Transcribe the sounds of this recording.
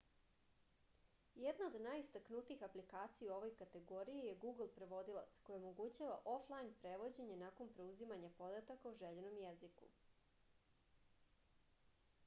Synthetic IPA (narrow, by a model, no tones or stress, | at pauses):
jed̪naod̪naːjist̪aknut̪iixaplikaːt̪sijo̞ʋo̞jkat̪e̞ɡo̞ɾijejeɡuːɡl̩ˠpɾe̞ʋo̞d̪ilˠa̰t̪sko̞jeo̞mo̞ɡut͡ɕaʋaʔo̞flˠajinpɾe̞ʋo̞d͡ʑe̞ɲenako̞npɾe̞uzimaɲapo̞d̪at̪akauʒeʎeno̞mjezikṵ